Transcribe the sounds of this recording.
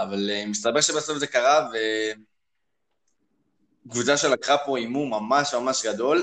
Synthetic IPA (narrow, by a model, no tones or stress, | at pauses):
avalemist̪abeʃebasofzekaʁave | ɡvut͡saʃelakʁapo̞imumamaʃmamaʃɡad̪o̞l